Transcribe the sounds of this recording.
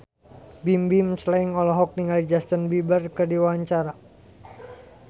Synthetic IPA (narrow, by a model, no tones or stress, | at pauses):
bimbimslaiŋɔlɔɦɔk̚niŋalid͡ʒast̪ənbibərkɨrdiwaaɲt͡ʃaɾa